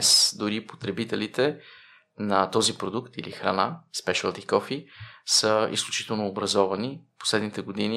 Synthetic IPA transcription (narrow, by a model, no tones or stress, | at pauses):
sd̪ʊɾipo̥t̪ɾɛbit̪ɛlit̪ɛ | nɐt̪ɔzipɾod̪ukt̪ilḭxɾɐ̰naspɛʃəlˠd̪ikɔfisəḭsklʲut͡ʃi̥t̪ɛlˠnoːbɾɐzɔvɐnipo̥slɛd̪nit̪ɛɡod̪ini